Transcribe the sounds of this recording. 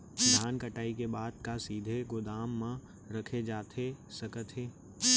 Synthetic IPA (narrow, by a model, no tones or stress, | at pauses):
d̪ʱaːnkəʈaːikebaːd̪̚kasiːd̪ʱeɡʊd̪aːmːã | ɾɐkʰed͡ʒaːt̪ʰesɐkət̪ʰɦeː